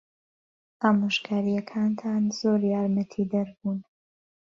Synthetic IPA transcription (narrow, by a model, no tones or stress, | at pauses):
ʔaːmoʃkʰaːɾijɐkʰaːnt̪ʰaːnzoːɾjaːɾmət̪ʰid̪ɐɾbuːn